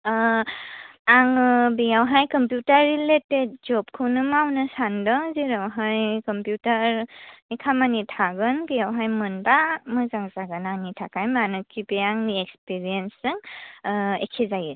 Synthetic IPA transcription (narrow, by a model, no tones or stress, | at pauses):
aŋɯbejawɦajkɔmpjutaɾːiletet̚d͡ʒɔp̚kʰɯwnɯmawnɯsandɔŋziɾawɦajkɔmpjutaɾikʰamanitʰaɡɯnbejawɦajmɯnbamɯzaŋzaɡɯnanitʰakajmanɯkʰibeaŋniek̚spiɾiensɯŋ | ḛkʰezajɯ